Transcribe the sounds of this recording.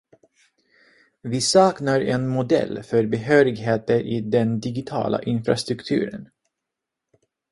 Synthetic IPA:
vɪsɑːknaɾɛnmʊd̪ɛ̰lːfœɾbɛɦøːɾɪɡɦeːt̪əɾʔɪd̪ɛnd̪ɪɡɪt̪ʰɑ̰ːlʔa̰ʔɪnfɾast̪ɾɵkt̪ʰʉ̟̰ːɾə̰n

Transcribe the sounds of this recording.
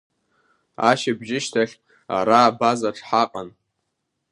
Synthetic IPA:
a̰ʃɪbʒɪʃtʰaχʲ | a̰ɾaːbazaʈ͡ʂʰʼħaqʼan

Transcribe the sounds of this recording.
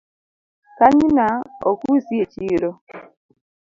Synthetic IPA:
kaɲinaokusiet͡ʃiɾo

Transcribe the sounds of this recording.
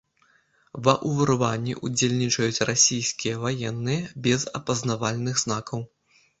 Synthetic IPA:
vɐʔuvɐɾvanʲːḭʔud͡zʲelʲnʲit͡ʂɐjut͡sʲrasʲijskʲijɐvajɛnːɨjɐbʲɛzɐ̰pɐznavalʲnɨxznakɐw

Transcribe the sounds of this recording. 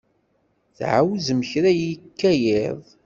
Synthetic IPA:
θʕa̰wzəməçɾæjikːæjɪðˤ

